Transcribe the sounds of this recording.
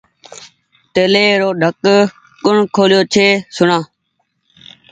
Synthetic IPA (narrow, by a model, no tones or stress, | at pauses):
t̪eːleːɾoːɖʱək | kʊɳ̤kʰoːljoːt͡ʃʰeːsʊɳãː